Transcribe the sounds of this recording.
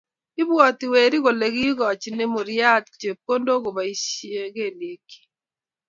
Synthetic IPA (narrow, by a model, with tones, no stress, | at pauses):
ɪ˦bwɔ˨tɪ˨we˨ɾi˦ɣo˨le˨ɡi˦ɡɔ˨t͡ʃne˦mo˨ɾɪ˦a˦t̚t͡ʃe˨p̚ko˦ndo˦ɡo˨ba˨i˦sje˦ɡe˦˨le˨ki̥˨